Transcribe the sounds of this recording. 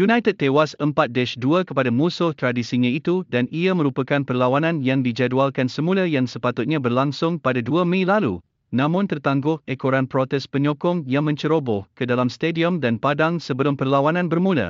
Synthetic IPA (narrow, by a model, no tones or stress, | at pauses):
junãjt̪əd̚t̪ewasəmpat̪̚dɛʃduəkəpadamusʊht̪ɾadisiɲãit̪udaniamə̃ɾupakanpərlawanãnjaŋdid͡ʒadualkansəmũlajaŋsəpat̪ʊt̪̚ɲãbərlaŋsʊŋpadaduəmẽlalṵ | nãmʊ̃nt̪ərt̪aŋɡʊhekoɾanpɾot̪ɛspəɲɔ̃kɔŋjaŋmə̃ɲt͡ʃəɾobɔhkədalamst̪ediəmdanpadaŋsəbəlʊmpərlawanãnbərmũla̰